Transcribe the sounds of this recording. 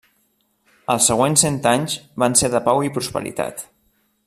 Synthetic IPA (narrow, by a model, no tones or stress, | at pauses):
əlˠsːəɣ̞wensent̪aɲzβanseðəpawipɾuspə̰ɾḭt̪a̰t̪